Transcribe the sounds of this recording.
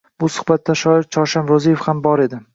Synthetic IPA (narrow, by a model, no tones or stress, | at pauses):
b̥ʊsʊ̥χbat̪ːaʃɒɪɾt͡ʃʰɒʃanɾozijefhambɒɾe̞d̪ɪ